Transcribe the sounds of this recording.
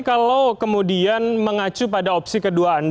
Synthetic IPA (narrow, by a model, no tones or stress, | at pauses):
kalakəmudianməŋat͡ʃupadaɔpsikəduaːnd